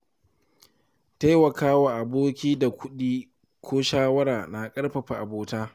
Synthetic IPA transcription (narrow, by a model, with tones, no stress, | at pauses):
ta˦jwɐ˨kaː˦wa˨ʔa˨boː˦kʲiː˦da˨kʷʊ˦ɗiː˦ | kʷʰoː˦ʃaː˦wɐ˦ɾaː˨na˨kʼɐ˦ɽɸɐ˨ɸa˨ʔa˨boː˨taː˦